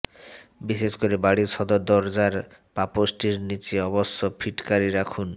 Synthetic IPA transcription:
biʃeskoɾibaɽiɾʃɔd̪ɔd̪ɔɾd͡ʑaɾ | paposʈiɾnit͡ɕeɔbɔsːɔpʰiʈkaɾiɾakʰun

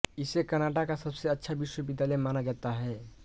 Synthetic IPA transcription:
ɪsekəɾnaʈakasəbseətːʃʰabɪʃwəbɪd̪ːalɛmaːnad͡ʒaːt̪aɦɛː

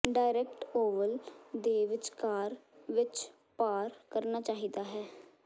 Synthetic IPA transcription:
ɖaːɪɾɛːk̚ʈoːʋəld̪eːʋɪt͡ʃkaːɾʋɪt͡ʃ | paːɾkəɾnaːt͡ʃaːɦiːd̪aːɦɛː

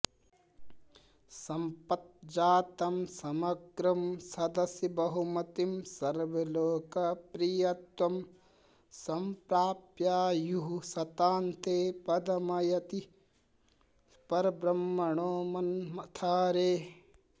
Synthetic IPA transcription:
sɐmpɐt̪̚d͡ʒaːt̪ɐmsɐmɐɡɾɐmsɐd̪ɐsjɐbɐɦumɐt̪imsɐɾʋɐloːkɐpɾijɐt̪wɐm | sɐmpɾaːpjaːjuɦusɐt̪aːnt̪eːpɐd̪ɐmɐjɐt̪i | spɐɾbɾɐmːɐɳoːmɐnmɐt̪ʰaːɾeː

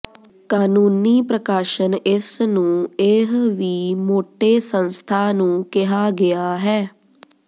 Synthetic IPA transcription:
kaːnũːniːpɾəkaːʃənɪsnũːɪɦʋiːmoːʈeːsə̃nst̪ʰaːnũːkɪɦaːɡɪjaːɦɛː

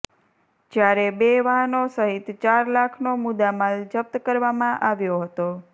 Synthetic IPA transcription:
d͡ʒjaɾebeʋaɦənosəɦit̪t͡ʃaɾlakʰnomud̪amald͡ʒəp̚t̪kəɾʋamãʔaʋjoɦət̪o

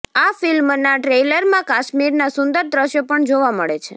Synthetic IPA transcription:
afilmnaʈɾeləɾmãkaʃmiɾnasʊnd̪əɾd̪ɾəʃjopəɳd͡ʒoʋaməɭet͡ʃʰe

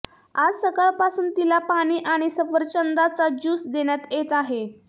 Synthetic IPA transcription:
ad͡zsəkəɭpasuːnt̪ilapaɽ̃iːʔaɽ̃isəfəɾt͡ɕənd̪at͡sad͡ʑuːsd̪eɽjat̪jet̪aɦe

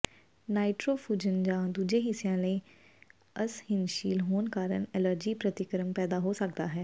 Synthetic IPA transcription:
naːɪʈɾoːfuːd͡ʒənd͡ʒãːd̪uːd͡ʒẽːɦɪsːɪjãːləiː | əshɪnʃiːlɦoːnkaːɾə̰nɛləɾd͡ʒiːpɾət̪ɪkɾəmpɛːd̪aːɦoːsəkd̪a̰ːɦɛː

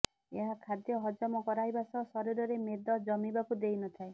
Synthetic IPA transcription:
eɦakʰad̪jɔɦɔd͡ʒɔmɔkɔɾaɦjbasɔsɔɾiɾɔɾemed̪ɔd͡ʒɔmibakud̪ejnɔt̪ʰae

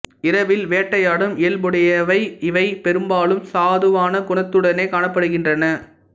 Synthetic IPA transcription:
ɪɾɐʋɪlʋeːʈːɐjaːɽɯmʔɪːlbɯɽɐjɐʋɐɪɪʋɐɪpɛɾɯmbaːlɯmsaːðɯʋaːnɐɡʊɳɐt̪ːɯɽɐneːkaːɳɐpːɐɽɯɣɪndrɐnɐ

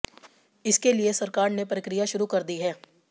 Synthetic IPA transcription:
ɪskeliesɐɾkaːɾnepɾəkɾɪjaʃʊɾukɐɾd̪iɦɛː

